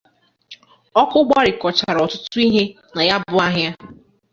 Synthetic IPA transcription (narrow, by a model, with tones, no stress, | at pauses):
ɔ˦kʊ˦ɡ͡ba˦ɾɪ˨kɔ˨t͡ʃa˨ɾɔ˨tʊ˦tʊ˦i˦ɦe˦ | na˨ja˦bʊ˦a˦ɦja˦